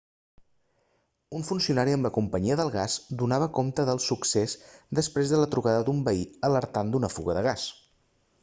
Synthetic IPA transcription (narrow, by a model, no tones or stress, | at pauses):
unfunsiunaɾiəmləkumpəɲiəðəlˠɣazd̪unaβ̞əkomt̪əðəlˠsuksezd̪əspɾezðələt̪ɾuɣaðəd̪umbəiələɾt̪and̪unəfṵɣəðəɣas